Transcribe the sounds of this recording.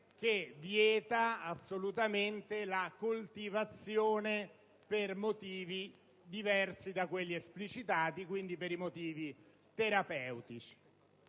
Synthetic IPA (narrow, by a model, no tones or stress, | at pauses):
k̟evjɛːt̪aasːolut̪ament̪elakult̪ivat̪sːjoːne | permot̪iːvi | d̪ivɛrsid̪akwelːiesplit͡ʃit̪aːt̪ikwind̪ipeɾimot̪iːvi | t̪eɾapɛwt̪it͡ʃi̥